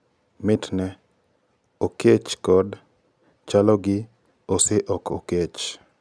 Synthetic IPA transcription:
mɪtnɛ | oket͡ʃkɔd | t͡ʃalɔɡɪ | oseʔɔkoket͡ʃ

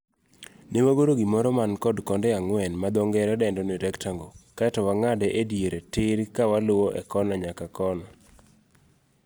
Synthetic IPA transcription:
nemoɡoɾoɡimɔɾɔmankɔdkɔndɛaŋwɛnmad̪ɔŋɡɛɾɛdɛndɔniɾɛktaŋɡokatɔwaŋadɛʔedjeɾetɪɾkawalʊwɔʔɛ̰kɔnaɲakakɔnɔ

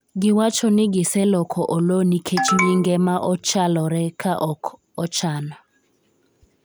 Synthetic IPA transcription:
ɡiwat͡ʃʰɔnɪɡɪsɛlɔkʰɔʔɔlonikʰet͡ʃiɲiŋɡɛmaʔɔt͡ʃalɔɾɛkʰaʔɔkʰ | ɔt͡ʃʰanɔ

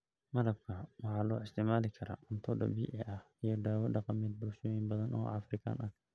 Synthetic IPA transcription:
mɐɾɐb̚kʰɐwɑħaːlɔːɪst̪ʰɪmaːlɪkʰɐɾa̰mʊnt̪ʰɔɖɐ̰bḭːʔɪʔɐh | ɪjɔd̪aːwɐdɐqɑmɛd̪̚bʊlʃɔjinbɐðɐnɔ̰ːʔɐ̰fɾɪkʰa̰ːnan

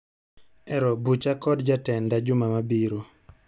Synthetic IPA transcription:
ɛɾɔbut͡ʃakɔdd͡ʒatɛndad͡ʒʊmamabiɾo

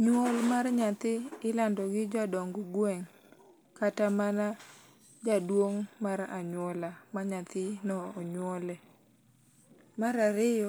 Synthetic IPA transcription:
ɲwɔlmarɲat̪ɪɪlandɔɡɪd͡ʒadɔŋɡɔɡwɛŋ | katamana | d͡ʒadwoŋmaɾa̰ɲwɔlamaɲat̪ɪnɔːɲwɔlɛ | maɾaɾɪjɔ

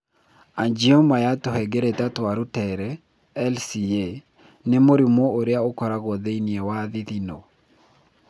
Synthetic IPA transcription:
aɲd͡ʒiɔmajatɔhɛɡeɾetat̪waɾutɛɾɛ | ɛlsie | nɛmoɾimoːɾjaokɔɾaɡɔðeiniewaðiðino̰

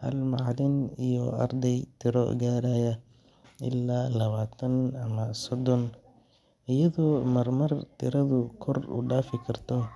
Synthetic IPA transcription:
hɐ̰lmɑʕlɪnijɔʔɐ̰rd̪ɛjt̪ʰɪɾɔ̰ɡaːɾajɐ | ɪ̰lːaːlɐβaːt̪ʰɐnɐmɐsɔd̪ɔn | ʔɪjɐðɔːmɐrmɐrt̪ʰɪɾɐðʊkʰɔrʊ̰ɖaːfɪkʰɐrt̪ʰɔ

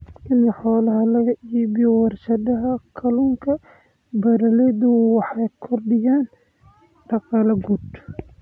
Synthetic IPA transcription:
ʔɪnɐħɔːlɐɦɐlɐɣɐʔiːbɪjɔwɑrʃɐd̪ɐɦɐkʰɐluːŋkʰɐ | bɐɾɐlɛd̪ʊwɑħɑjkʰɔrɖɪjaːn | ɖɑqɑːlɐɡud̪

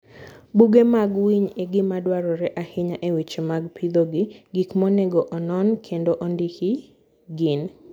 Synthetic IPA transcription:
buɡemaɡwiɲeɡɪmadwaɾɔɾɛʔahɪɲaʔewit͡ʃemaɡpʰid̪oɡɪɡikmɔnɛɡɔʔɔnɔnkʰendoʔɔndihi | ɡɪn

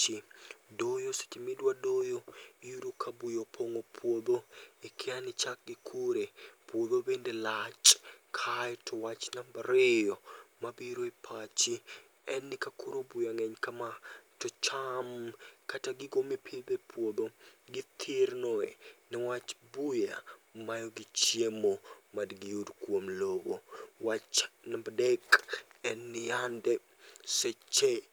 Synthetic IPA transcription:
t͡ʃɪdojose̥t͡ʃemɪdwadojojudukʰabujopʰoŋopʰwoboekʰɪanɪt͡ʃak̚ɡɪkʰuɾepwobobendelat͡ʃkʰajtʰɔwat͡ʃnambaɾejɔmabiɾoipʰat͡ʃi | ɛnːɪkakuɾobujaŋɛɲkamatɔt͡ʃamkataɡɪɡomipʰɪlb̪ɛpʰwod̪oɡɪt̪ʰɪɾnɔɛ̰nɛwat͡ʃbujamajoɡɪt͡ʃjemomadɡɪjudkwomlobowat͡ʃnambadɛkɛnːɪjandɛ | set͡ʃe

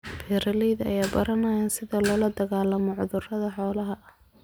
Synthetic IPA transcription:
bʰɛːɾɐlɛjðɐ̰jaːbɐɾɐnɐjaːnsɪðɐlɔːlɐd̪ɐɣaːlːɐmɔʕʊðʊrɐðɐħɔːlɐɦɐɐh

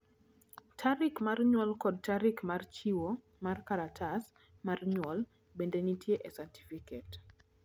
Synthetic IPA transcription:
tʰaɾikmarɲwɔlkɔd̚taɾikmart͡ʃiwo | markaɾatʰas | marɲwɔl | bendeɲitjeʔesɛti̥fiket

